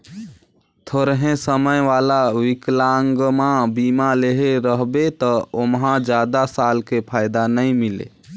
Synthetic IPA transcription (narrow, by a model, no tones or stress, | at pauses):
t̪ʰoɾɦẽsəməjʋalawiklaŋɡmabimaleɦeɾəɦbet̪ɔomɦãd͡ʒad̪asalkepʰajd̪anəjmilḛ